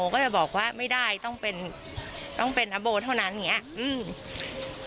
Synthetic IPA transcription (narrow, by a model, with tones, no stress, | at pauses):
oː˧kɔː˥˩t͡ɕa˨˩bɔː˨˩k̚waː˥˩ma˥˩jdaː˥˩jt̪ɔ˥˩ŋpe˧n | t̪ɔ˥˩ŋpe˧nʔa˧boː˧t̪ʰa˥˩wna˦˥nʔŋi˦˥ɐ˥˨ʔɯː˧˩m